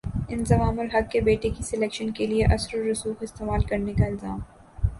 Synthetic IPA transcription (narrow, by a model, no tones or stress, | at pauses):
ɪnzɐʋaːmʊlɦɐɡ̚kːebeːʈekisɛleːkʃənkelieʔɐsɾoɾʊsuːxɪst̪eːmaːlkɐɾnekaɪlzaːm